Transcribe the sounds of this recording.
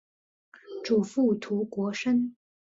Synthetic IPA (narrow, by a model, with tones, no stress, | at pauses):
ʈ͡ʂu˨˩fu˥˩t̪ʰu˧˥kwɔ˧˥ʂə˥n